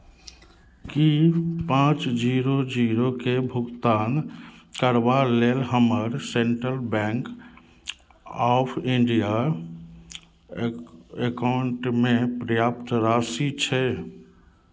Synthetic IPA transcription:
kipãːt͡ʃd͡ʒiːɾod͡ʒiːɾokebʱʊɡt̪aːnkəɾbaleːlɦəməɾsẽɳʈɾəlbɛ̃ːŋk | ɔːpʰɪ̃ɳɖija | ekaʊɳʈmẽpɾəjaːp̚t̪ɾaːsit͡ʃʰɛ

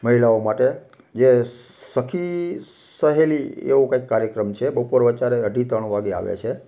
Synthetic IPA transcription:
məɦilaomaʈe | d͡ʒe | səkʰi | səɦeliḛʋokaikːaɾjəkɾəmt͡ʃʰebəpoɾʋət͡ʃaɾeəɖʱit̪əɳʋaɡea̰ʋḛt͡ʃʰe

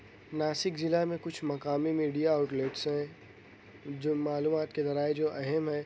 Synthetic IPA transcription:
naːsɪkzɪlamẽkʊt͡ʃʰmɐkaːmimiːɖijaːʊʈleːʈsɦɛ̃ | d͡ʒoːmaːluːmaːt̪kezɐɾaːed͡ʒoːʔɛɦɛmɦɛː

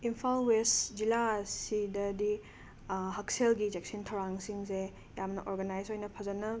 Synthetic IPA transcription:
impʰalwesd͡ʒilasidɐdi | ɦɐk̚selɡid͡ʒek̚sintʰɐwɾaŋsiŋse | jamnɐʔoɾɡɐnajsojnɐpʰɐzɐnɐ

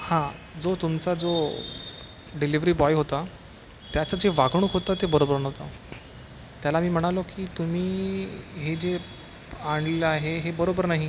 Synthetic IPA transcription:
hãd͡zot̪umt͡sad͡zo | ɖiliʋɾiːbɔjɦot̪a | t̪jat͡sad͡zeʋaɡɽ̃uːkɦot̪at̪ebəɾobəɾnɦt̪a | t̪jalamiːm̤əɽ̃alokiːt̪um̤iːɦed͡ze | aɳlelaɦeɦebəɾobəɾnaɦi

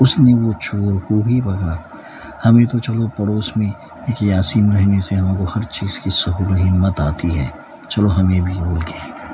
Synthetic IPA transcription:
ʊsneʋot͡ʃʰoːɾkuɦibɐɡɾa | hɐmẽt̪ot͡ʃɐlopɐɽoːsmẽ | eːkjaːsiːnɾɛɦneseɦɐmẽkohɐɾt͡ʃiːz̥kisɐɦuːləɦimɐt̪aːt̪iɦɛ̰ː | t͡ʃɐloɦɐmẽbʱiboːlɡẽ

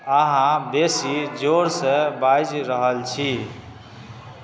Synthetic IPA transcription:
əɦãbesid͡ʒoɾsə̃bajd͡ʒɾəɦəlt͡ʃʰi

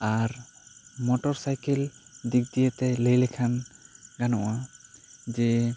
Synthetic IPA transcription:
aɾmɔʈɔɾsajkɛld̪ik̚d̪ijət̪ɛləjlɛkʰanɡanɔʔa | d͡ʒɛ

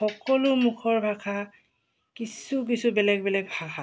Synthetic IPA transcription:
xɔkɔlʊmukʰɔɹbʱakʰa | kisuk̬isubɛlɛɡ̚bɛlɛɡ̚bʱakʰa

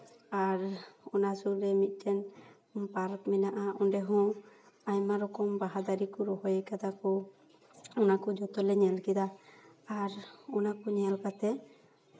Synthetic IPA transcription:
aɾɔnasuɾɛmit̪̚ˀʈɛn | paɾkmɛnaʔaɔnɖɛɦɔ̃ | aɲmaɾɔkɔmbaɦad̪aɾikɔɾɔɦɔjɛkad̪akɔ | ɔnakɔd͡ʒɔt̪ɔlɛɲɛlkɛd̪aː | ɾɔnakɔɲɛlkat̪ɛ

